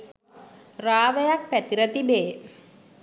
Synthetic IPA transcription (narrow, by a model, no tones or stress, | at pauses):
raːʋejak̚pæt̪iɾət̪ibeː